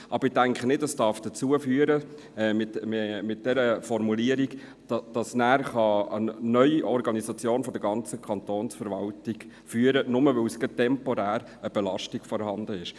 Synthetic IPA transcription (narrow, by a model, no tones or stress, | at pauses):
ʔɑbəɾɪtæŋkχənɪtəsd̥ɑɾfd̥ət͡suəfyəɾə | ɛmɪtmɪt̚d̥ɛɾəfɔɾmuliəɾiɡ | d̥ɑd̥ɑsnæːɾχɑənœʏiʔɔɾɡɑnisɑt͡sjoːnfɔd̥̪əɾɡɑnt͡səkʰɑnt̪oːnsfəɾʋɑltɪɡ | fyːəɾənʊməʋɛlsɡətɛmpɔɾæːɾ | əb̥ɛlɑʃtiɡ̥fɔɾhɑnd̪əɪʃ